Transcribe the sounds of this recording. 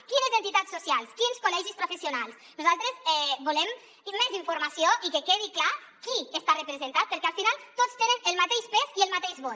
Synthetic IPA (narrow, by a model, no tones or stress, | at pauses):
kinəzent̪it̪at̪susialˠskinskolɛʒispɾufesionalˠs | nuzalˠt̪ɾezɛbulɛm | mːeziɱfuɾmasioʔikekeð̞ikla | kiest̪arəpɾəzent̪at̪̚pəɾkɛalˠfinalˠt̪ot͡st̪enənəlˠmat̪eʃpeziəlˠmat̪eʒβot